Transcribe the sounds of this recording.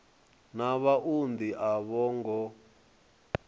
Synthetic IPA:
naβaʔund̪iʔaβɔːŋɡɔ

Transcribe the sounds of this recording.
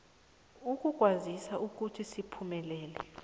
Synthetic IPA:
uk̬ʼuk̬ʼwazisaʔuk̬utʰisipʰumɛlɛːlɛ̰

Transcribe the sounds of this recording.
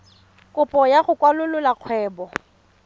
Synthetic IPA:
kʼʊpʼɔjaχʊkʼwalʊlʊlaq͡χʰwɛːbɔ

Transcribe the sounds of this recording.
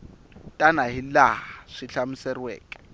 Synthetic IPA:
tʼanaɦilahaʂiɬamusɛrwɛ̰ːkʼɛ̥

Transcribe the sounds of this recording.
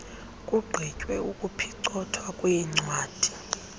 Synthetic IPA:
kʼuɡ͡ǃʱicʼwɛukʼupʰiǀɔtʰwakʼujɛŋ͡ǀwaːd̥ʱi̥

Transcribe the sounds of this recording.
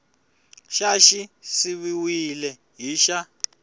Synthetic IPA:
ʃaʃisiβiwilɛ | ɦiʃa

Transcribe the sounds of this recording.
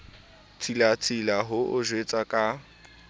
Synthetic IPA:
t͡sʰʼilat͡sʰʼilaɦʊʔʊʒwet͡sʼakʼa

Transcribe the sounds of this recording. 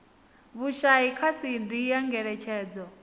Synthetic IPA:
βuʃaikʰasindijaŋɡɛɺɛt͡ʃʰɛːd͡zɔ

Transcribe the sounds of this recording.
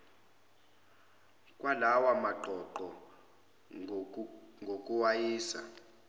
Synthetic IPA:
kʼwʔalawamaɡ͡ǃʱɔǃɔ | ŋɡʱokʼuwajiːsa̰

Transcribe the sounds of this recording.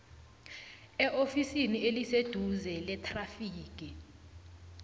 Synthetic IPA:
ɛʔofisinielised̥ʱuzɛlɛtʰʼrafiːk̬ʼi

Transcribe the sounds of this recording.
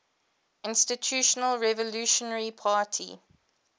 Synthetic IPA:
ɪ̃nstɪtʰjuʃənəlɹɛvəluʃənəɹipʰaːtʰḭ

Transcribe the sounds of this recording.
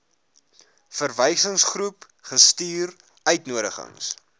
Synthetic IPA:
fərvɛjsəŋsχrup | χəstyːr | œɥtnuəɾəχə̰ŋs

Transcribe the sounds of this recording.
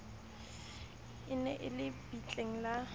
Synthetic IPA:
ɪnɛʔɪlɪb̥it͡ɬʼeŋ̩la

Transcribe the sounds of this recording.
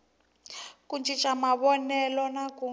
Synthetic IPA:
kund͡ʒʱit͡ʃʼamaβɔnɛlɔnaku

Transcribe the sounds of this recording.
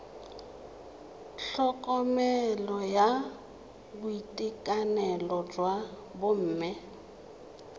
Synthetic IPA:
ɬɔkʼɔmɛlɔja | bʊitʼikʼanɛlɔd͡ʒwa | bʊm̩ːmɪ

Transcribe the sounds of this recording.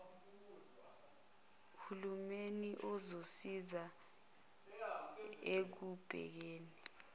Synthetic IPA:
kʰulumeniʔɔzosiza | ek̬ub̥ʱɛ̰k̬eːni

